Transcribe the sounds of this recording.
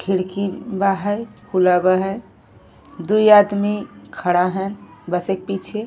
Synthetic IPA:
kʰiɽkibaɦəjkʰulabaɦəj | d̪ujad̪mikʰəɽaɦənbəsek̚pit͡ʃʰe

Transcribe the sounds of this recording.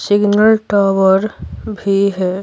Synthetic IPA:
sɪɡnəlʈaːwəɾbʱiɦɛː

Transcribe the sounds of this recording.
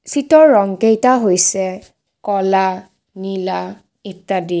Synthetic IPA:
sitɔɹːɔŋkejtaɦojsɛ | kɔla | nila | itːadi

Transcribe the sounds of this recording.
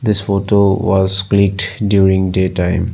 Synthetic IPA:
d̪ɪsfoːʈoʋɔzklik̚ʈɖjuːɾĩŋɖeːʈãɪ̃m

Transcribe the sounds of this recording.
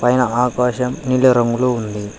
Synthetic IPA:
pɐjɐnɐaːkaːɕɐmnilɐɾɐŋɡuɭound̪i

